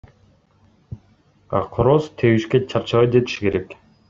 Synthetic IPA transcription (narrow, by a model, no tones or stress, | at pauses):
a̰qʰoɾost̪ʰewiʃket͡ʃʰaɾt͡ʃalajd͡ʒet̪i̥ʃi̥ke̞ɾek